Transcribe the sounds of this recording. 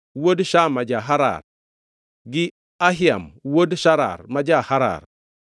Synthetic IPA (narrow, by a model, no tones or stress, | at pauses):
wodʃamad͡ʒaɦaɾa̰ɾ | ɡi | aɦia̰mwodʃaɾa̰ɾmad͡ʒahaɾa̰ɾ